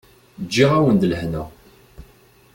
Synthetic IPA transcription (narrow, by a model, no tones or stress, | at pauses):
d͡ʒːiʁæwənd̪ləhnəʁ